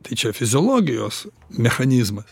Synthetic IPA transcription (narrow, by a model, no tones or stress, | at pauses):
t̪ɐɪt͡ʃʲɛfʲɪzʲoːlˠoːɡʲɪjoːs | mʲɛxɐnʲiːzmɐs